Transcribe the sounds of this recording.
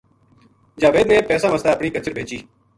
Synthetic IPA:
d͡ʒaːʋeːd̪neːpɛːsãːməslaːəpɳiːkət͡ʃəɾbʱeːt͡ʃiː

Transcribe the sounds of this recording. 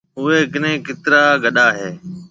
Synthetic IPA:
ʊɦeːɡnẽːkɪt̪ɾaːɡəɗaːɦeː

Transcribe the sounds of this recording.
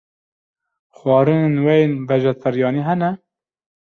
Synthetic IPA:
xwɑːɾɨnenwɛjenvɛʒɛt̪ʰɛɾjɑːniːɦɛnɛ

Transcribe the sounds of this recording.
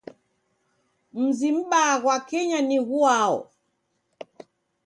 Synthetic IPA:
m̩zim̩ɓaɣwakɛɲaniɣuaɔ̰

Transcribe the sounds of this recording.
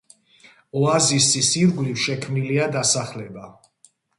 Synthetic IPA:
ɔazisisiɾɡlifʃɛkʰmniliad̪asaχlɛba

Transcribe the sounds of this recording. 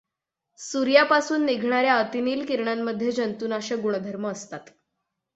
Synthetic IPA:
suɾjapasuːnːiɡʱɳ̃aɾjaət̪iniːlkiɾɳamːəd̪ʱjed͡ʑənt̪uːnaɕəɡuɳ̃d̪ʱəɾməːst̪at̪

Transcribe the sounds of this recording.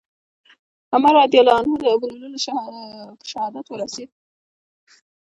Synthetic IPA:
amaɾɑd̪jɑlɑnod̪əbaluləlʃ | əʃahɑd̪at̪wəɾased̪̚

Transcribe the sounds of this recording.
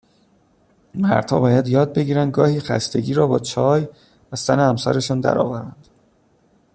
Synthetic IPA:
mæ̰ɾd̪̥hɒ̰ːbɒːjæd̪jɒːd̪̚be̞ɡiːɾænd̪̚ɡɒːhiːxæ̰st̪e̞ɟiːɾɒːbɒːt͡ʃʰɒːj | væsæneæmsæ̰ɾe̞ʃɔːnd̪æ̰ɾɒ̰ːvæɾænd̪̥

